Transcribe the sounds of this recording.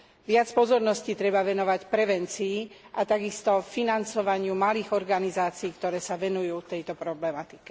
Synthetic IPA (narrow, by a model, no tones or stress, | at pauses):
ʋɪat͡spɔzɔɾnɔsciːt̪ɾɛbaʋɛnɔʋacpɾɛʋɛnt͡siː | ʔat̪aɡist̪ɔfinant͡sɔʋaɲɪumaliːɣɔɾɡanizaːt͡siːkt̪ɔɾɛːsaʋɛnujuːt̪ɛjt̪ɔpɾɔblɛmat̪i̥kɛ̥